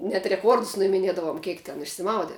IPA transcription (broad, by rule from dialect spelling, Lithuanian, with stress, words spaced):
nʲɛt rʲɛˈkuɔrdʊs nʊɪmʲɪˈnʲiɛdɐʋoːm ˈkʲiɛk tʲɛn ɪʃʲsʲɪˈmɐʊdʲɛ